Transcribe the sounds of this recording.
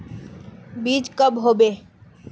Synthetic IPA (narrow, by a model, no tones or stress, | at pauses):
biːt͡ʃkəbɦoːbe